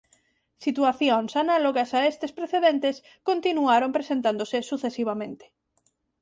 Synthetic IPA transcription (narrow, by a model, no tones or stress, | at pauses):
sit̪uaθjonsanaloɣasaest̪espɾeθeðent̪es | kont̪inuaɾõmpɾesent̪and̪osesuθesiβ̞amẽnt̪e̥